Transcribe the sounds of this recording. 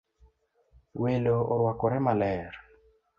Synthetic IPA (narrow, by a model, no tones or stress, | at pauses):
weloɔɾwakɔɾɛmalɛɾ